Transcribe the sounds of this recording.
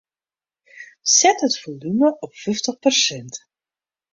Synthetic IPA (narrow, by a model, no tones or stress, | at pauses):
sɛtɦətfolyməʔɔpfʏftəχpərsɛnt